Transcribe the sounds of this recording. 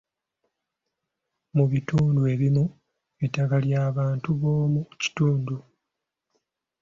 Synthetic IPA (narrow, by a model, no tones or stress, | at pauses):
muβituːndue̞ːβimu | βitakaljaːβaːntuβo̞ːmuci̥tuːndu